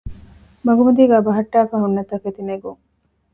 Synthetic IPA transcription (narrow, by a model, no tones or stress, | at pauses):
mɐɡumɐd̪iɡæːbɐɦɐʈːaːfɐɦunːɐt̪ɐket̪ineɡuŋ